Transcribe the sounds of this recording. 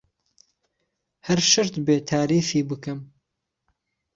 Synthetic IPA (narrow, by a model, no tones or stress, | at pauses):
hɐɾʃɨɾt̪beːt̪ʰaːɾiːfiːbɨkɨm